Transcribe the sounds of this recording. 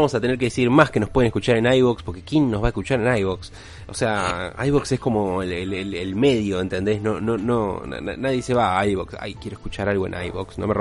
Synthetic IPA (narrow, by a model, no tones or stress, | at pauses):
amo̞sat̪e̞ne̞ɾke̞ðesiɾmaskeno̞hpwe̞ðenekut͡ʃaɾenajβokspo̞ɾke̞kjenːozβaeskut͡ʃaɾenajβoks | oseaajβoksesko̞mo̞elelelelme̞ð̞jo̞ent̪e̞nd̪e̞znonono̰a̰naðjeeseβaajβoksa̰jkje̞ɾoskut͡ʃaɾalɣo̞e̞̰nʔa̰jβoksno̞̰mer